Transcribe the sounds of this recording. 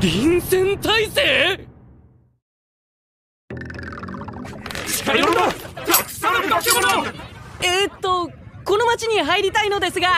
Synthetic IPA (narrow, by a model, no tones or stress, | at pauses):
ɾʲĩñsẽ̞nt̪aiseː | ɕi̥kajɾo | eːt̪ːo̞ko̞no̞mat͡ɕiɲ̟iɦaiɾʲit̪aino̞d̪e̞sɨɡa